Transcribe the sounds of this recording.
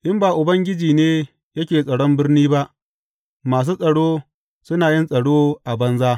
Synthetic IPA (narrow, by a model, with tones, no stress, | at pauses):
ʔɪ˦mbaː˨ʔʊ˨bɐ˦ŋɡʲɪ˦d͡ʒiː˨neː˦ | jɐ˦kʲeː˨sʼɐ˨ɽɔ˦mbɪ˦rniː˦ba˦ʔ | maː˨s̬uː˦sʼɐ˨ɽoː˦ | sʊ˦naː˨jɪ˦nsʼɐ˨ɽoː˦ʔa˨bɐ˦nzaː˦